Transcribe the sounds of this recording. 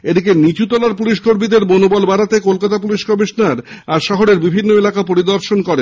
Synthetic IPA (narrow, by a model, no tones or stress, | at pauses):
ed̪ikenit͡ɕut̪ɔlaɾpuliʃkoɾmid̪eɾbonobɔlbaɾat̪ekolkat̪apuliʃkɔmiʃnaɾaɾʃɔɦoɾeɾbibʱinːoelakapoɾid̪oɾʃonkɔɾe